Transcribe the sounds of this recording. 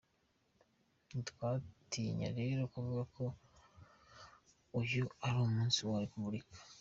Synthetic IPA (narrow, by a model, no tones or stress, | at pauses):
twaːtiɲa̰ɾeɾakuvuːɡakʰo̞ | ujoaɾoːmuːnsiwaɾikuβuɾikḁ